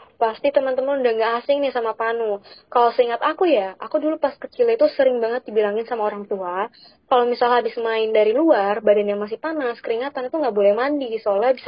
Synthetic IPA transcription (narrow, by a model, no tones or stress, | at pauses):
past̪it̪əmənt̪əmənudaŋɡaʔːsɪŋnɪhsamapanukalosəiŋat̪akujaakudulupaskət͡ʃilit̪usəɾɪŋbaŋət̪̚dibilaŋɪnsamaoɾaŋt̪ua | kalomisalaɦabɪsmaɪndaɾiluarbadanjaŋmas̬ɪhpanaskəɾiŋat̪anit̪uŋɡaʔbolɛhmandisalaabis